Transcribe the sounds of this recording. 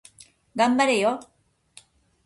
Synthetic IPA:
ɡambaɾejo

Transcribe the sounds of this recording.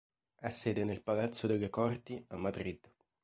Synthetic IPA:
asːɛːd̪enelpalat̪sːod̪elːekɔrt̪iamːad̪ɾid̪

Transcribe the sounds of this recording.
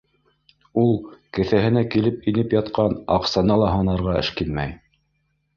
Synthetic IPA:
ulˠkɘ̆θæɦɘ̆nækilɘpinɘpjɑt̪qɑnɑqsɑnɑlˠɑɦɑnɑɾʁɑɘ̰̆ʃkinmæj

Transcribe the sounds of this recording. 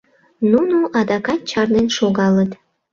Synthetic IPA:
nunuʔɑd̪ɑkɑt̪̚t͡ɕɑrnenʃoɣɑlət̪

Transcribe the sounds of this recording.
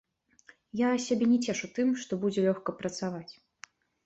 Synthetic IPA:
jasʲabʲɛnʲɛt͡sʲɛʂut̪ɨmʂt̪ɔbud͡zʲɛlʲɔxkɐpɾɐt̪savat͡sʲ

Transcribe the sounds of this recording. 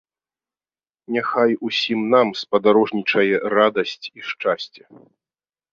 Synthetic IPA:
nʲaxajusʲimnamspɐd̪aɾɔʐnʲit͡ʂɐjɛɾad̪ɐsʲt͡sʲiʂt͡ʂasʲt͡sʲjɛ

